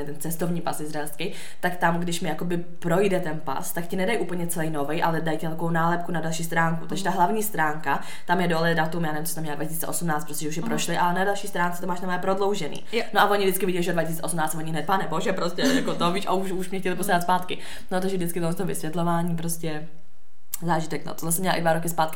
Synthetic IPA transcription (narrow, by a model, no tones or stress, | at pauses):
ɪt̪ɛnt͡sɛst̪ovɲiːpasɪzɾaɛlskɪ | t̪akt̪amɡdɪʃmɪjako̞bɪ | pɾo̞jdɛt̪ɛnpa̰st̪akcɪnɛdajʔuːpl̩ɲɛt͡sɛlɛjno̞vɛjʔalɛdajcɪvɛlkoownaːlɛp̚kunadalʃiːst̪ɾaːŋkut̪aɡʒɛɛt̪aɦlavɲiːst̪ɾaːŋka | t̪amjɛdolɛdat̪umjanɛvɪmt͡sost̪amɲɛladvacisiːt͡sɛ̰ʔosumnaːtt͡st̪pɾos̬tcʲɛʒɛuʃ̬jɛpɾoʃlɪʔalɛnadalʃiːst̪ɾaːnt͡sɛt̪omaːʃnamɛpɾodlo̞wʒɛnḭːnoʔavoɲɪvdɪt͡skɪvɪɟɛlɪʒɛodvacɪsiːt͡sɛosumnaːt͡st̪voɲɪɦnɛt̪̚paːnɛboʒɛpɾoscɛja̰kot̪oviːʃʔa̰uʃuʃmɲɛxcɛlɪposaat̪spaːt̪kɪ | not̪aɡʒɛvdɪt͡skɪt̪omɛst̪oɦvɪ̰svʲjɛt̪lovaːɲiːpɾoscɛ | zaːʒɪt̪ɛkno̰t̪ozasɛmɲɛla̰ʔɪdvaɾokɪspaːt̪kɪ